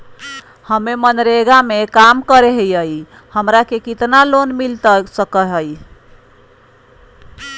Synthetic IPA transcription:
həmemənɾeɡamekamkəɾeɦəjəj | həmɾakekit̪nalonmilt̪əsəkəɦəj

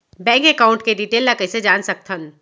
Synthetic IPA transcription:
bɛ̃ːŋkekaːʊ̃ɳʈkediʈeːlːakɐsed͡ʒaːnsɐk̚t̪ʰən

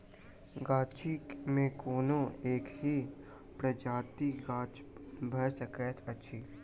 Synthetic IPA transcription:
ɡaːt͡ʃimẽkoːnõeːkɦi | pɾəd͡ʒaːt̪iɡaːt͡ʃ | bʱəsəkɛt̪ʰɐtːʃʰiː

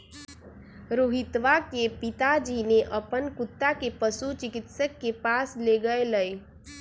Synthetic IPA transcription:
ɾoɦɪt̪ʋakepɪt̪ad͡ʒineʔɐpənkʊt̪ːakepəsut͡ʃɪkɪt̪səkːepaːsleɡəeləe

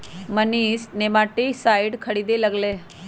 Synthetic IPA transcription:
məniːsnemaʈiːsaiɽkʰəɽid̪elaɡle

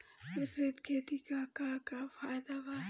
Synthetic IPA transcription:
mɪsɾet̪kʰeːt̪ikakakafaːjd̪aʋa

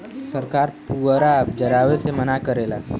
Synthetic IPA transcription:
səɾkaːɾpuːɾapd͡ʒɐɾaːʋesemɐnakəɾeːla̰ː

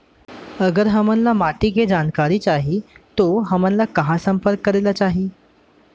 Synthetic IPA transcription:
əɡəɾɦəmənlamaʈ̪iːked͡zankaɾiːt͡ɕaɦit̪oɦəmənlakəɦãsəmpəɾkːəɾelat͡ɕaɦiː

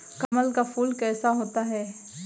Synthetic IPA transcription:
kɐməlkafʰuːlkɛːsaɦoːt̪aɦɛː

